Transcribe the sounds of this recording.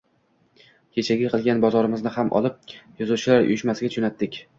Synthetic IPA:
kʲʰet͡ʃʰaɡʲɪqʰɨlˠɡʲanbɒzɒɾɪmɪznɪhamʔɒ̰lˠɪp̚jɒzuwt͡ʃʰɪlaɾʊ̰jʊʃmasɪɡʲat͡ʃʰʊnat̪ːɪkʲ

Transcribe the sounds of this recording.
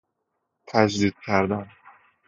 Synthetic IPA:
t̪ʰæd͡ʒd̪iːd̪̥̚cʲʰæɾd̪æm

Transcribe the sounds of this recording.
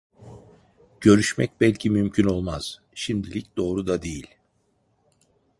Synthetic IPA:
ɟ̥ø̞ɾyʃmɛc̚bɛlʲcʰimymcʰyno̞lˠmaz̥ | ʃimd̪ilʲic̚d̪o̞ːɾud̪ad̪ejilʲ

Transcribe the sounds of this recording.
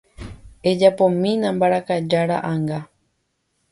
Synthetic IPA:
ed͡ʒapõmĩnãmbaɾakad͡ʒaɾa̰ʔaŋɡa

